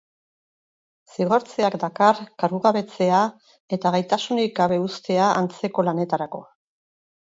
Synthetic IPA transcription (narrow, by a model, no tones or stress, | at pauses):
siɣ̞o̞ɾt͡seakd̪akarkaɾɣuɣaβe̞t͡se̞a | e̞t̪aɣajt̪asunik̚ɡaβ̞e̞ust̪e̞aʔant͡se̞ko̞lane̞t̪aɾako̞